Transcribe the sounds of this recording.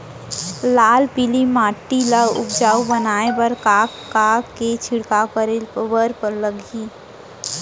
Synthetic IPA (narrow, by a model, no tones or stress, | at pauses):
laːlpilimaːʈːiləɡʊ̰pd͡ʒaːubənaːebəɾkaːkkaket͡ʃʰiɽkapəɾelbəɾpəɾləɡʱi